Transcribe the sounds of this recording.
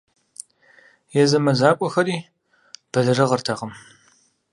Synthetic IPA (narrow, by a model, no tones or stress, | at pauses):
jɛzɐmɐzaːkʷʼɔxɐɾiː | b̥ɐɮɐrɐʁərtʰɐʁəm